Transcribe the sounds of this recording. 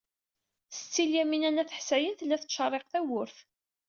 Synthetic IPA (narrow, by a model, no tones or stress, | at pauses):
θə̥t͡sːiljæminænæθə̥ħsæjənθəlːæθəʃərˤːeqθæwʊɾθ